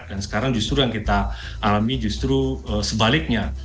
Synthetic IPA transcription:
dansə̥kaɾaŋd͡ʒust̪ɾujaŋkit̪a | alamid͡ʒust̪ɾuəsəbalɪk̚ɲa

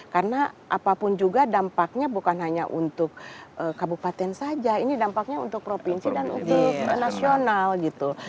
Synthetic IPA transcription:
karənaʔa̰papʊnd͡ʒuɡadampak̚ɲabukanɦaɲa̰ʔṵnt̪ʊk̚ʔəkabupat̪ɛnsad͡ʒainidampak̚ɲaṵnt̪ʊk̚pɾopinsidanṵnt̪ʊknasionalɡit̪u

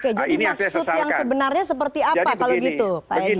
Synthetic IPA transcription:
oked͡ʒadimaksʊt̪jaŋsəbənarɲasəp̬ərt̪iapakaloɡit̪upaai

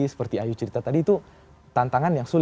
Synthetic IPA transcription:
isə̥pərt̪iajut͡ʃəɾit̪at̪adiːt̪u | t̪ant̪aŋanjaŋsul

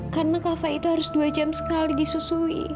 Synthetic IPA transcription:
karənakafait̪uɦaɾʊsduad͡ʒamsə̥kalidisusuḭ

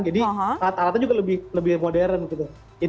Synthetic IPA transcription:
ŋd͡ʒadiɦat̪aɾat̪ad͡ʒuɡɐləbɪhləbɪhmodɛɾənkit̪u | i

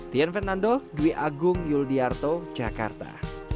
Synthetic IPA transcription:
t̪ijanfɛrnandoduiʔaɡʊŋjuldiart̪o̥d͡ʒaka̰rt̪a̰

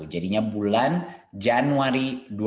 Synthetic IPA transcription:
ud͡ʒadiɲabuland͡ʒanuaɾidu

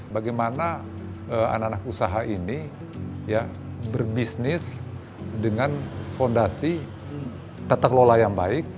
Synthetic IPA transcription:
baɡajmanaəa̰naanakusaɦaʔini | ja | bərbisnɪs | dəŋanfondasi | t̪at̪aklolajaŋbaɪk̚

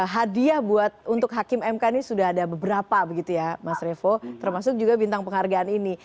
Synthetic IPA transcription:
ɦadiahbuat̪̚unt̪ʊkɦakɪmɛmkanisudaɦadabəbəɾapabəɡit̪ujamasrefot̪ərmasʊk̚d͡ʒuɡabint̪aŋpəŋɦarɡaːnini

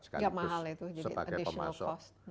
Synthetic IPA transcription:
sə̥ka̰ɡamaɦalit̪ud͡ʒadəia̰diəɔa̰lsɔst̪̚n

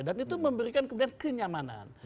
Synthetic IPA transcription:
danit̪uməmbəɾikankəmudiankəɲamana̰n

